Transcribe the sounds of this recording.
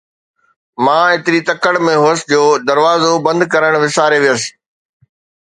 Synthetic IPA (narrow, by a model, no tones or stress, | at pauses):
mãːɪt̪ɪɾit̪ɐkəɽmẽɦʊːəsɪd͡ʑoːd̪ɐɾʋaːzobɐ̃nd̪kɐɾəɽ̃ʋɪsaːɾeʋijəsɪ̥̆